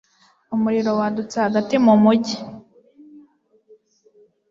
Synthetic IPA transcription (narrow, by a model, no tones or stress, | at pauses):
umuɾiɾo̞wadut͡sehaɡatimumuɟi